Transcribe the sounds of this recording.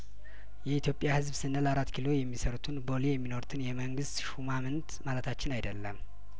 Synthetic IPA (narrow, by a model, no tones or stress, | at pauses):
jɛit̪ʰjo̞pʼjahɨzbsɨnːəlaɾat̪ːkʰilo̞jɛmːisəɾut̪ʰɨnbo̞lijɛmːino̞ɾut̪ʰɨnjɛməŋɡɨst̪ʃumamɨnt̪malət̪ʰat͡ʃːɪnajd̪əlːəm